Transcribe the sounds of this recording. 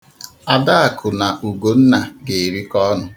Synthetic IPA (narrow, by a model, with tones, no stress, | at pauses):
a˨da˦a˨kʰʊ˨na˨ʔu˨ɡo˨n̩˦na˨ɡe˨ɾi˦kɔ˦nʊ˨